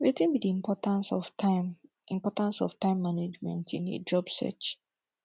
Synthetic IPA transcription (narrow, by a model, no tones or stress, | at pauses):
wetĩnbidiĩmpʰɔtãnsɔfam | ĩmpɔtãnsɔ̰ftãɪ̃mːaned͡ʒmɛ̃ntʰĩnḛd͡ʒɔbsɛ̰t͡ʃ